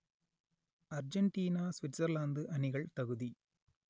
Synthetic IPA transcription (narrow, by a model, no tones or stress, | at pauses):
ɐɾd͡ʒɐɳʈiːnaːsʋɪʈsɐɾlaːnd̪ɨʔɐnɪɣɐɭt̪ɐɣɯði